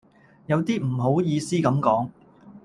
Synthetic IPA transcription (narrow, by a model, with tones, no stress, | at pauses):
jɐ˨˧wt̪iː˥m̩˨˩ɦo˨˥wjiː˧siː˥kɐ˨˥mkɔː˨˥ŋ